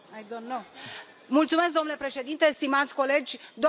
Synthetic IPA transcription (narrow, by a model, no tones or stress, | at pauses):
ajd̪onːo | mult̪sume̞s̬k̚d̪o̞nule̞pɾe̞ʃe̞d̪int̪est̪imat̪sʲko̞le̞d͡ʒʲd̪o